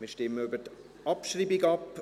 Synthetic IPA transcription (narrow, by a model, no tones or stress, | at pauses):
miɪʃtɪmːəøbət | ɑpʃriːbiɡɑp